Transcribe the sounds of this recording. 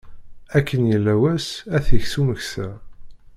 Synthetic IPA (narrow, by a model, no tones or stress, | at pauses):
ækʰːənjəlːæwæsæθəçsuməçsæ